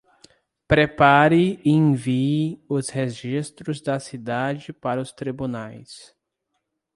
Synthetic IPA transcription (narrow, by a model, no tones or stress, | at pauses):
pɾepaɾɪẽviʊsheʒist̪ɾʊzd̪ɐsid̪ad͡ʒɪpaɾɐʊst̪ɾibunajs